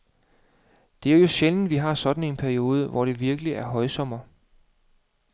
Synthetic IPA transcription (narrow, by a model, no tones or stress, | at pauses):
d̥e̝æɐjo̝ɕeln̩ʋiɦɑ̈sɒ̽d̥n̩e̝npʰæɐio̝ːð̞ˠəʋɒɾ̥e̝ʋiɐɡ̥əliæɐɦɒ̽ɪsɒ̽m̰ɐ